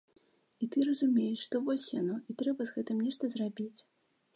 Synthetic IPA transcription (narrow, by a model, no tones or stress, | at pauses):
it̪ɨrɐzumʲejɛʂʂt̪ɔvɔsʲjanɔʔit̪ɾɛbɐzɣɛt̪ɨmnʲɛʂt̪ɐzrabʲit͡sʲ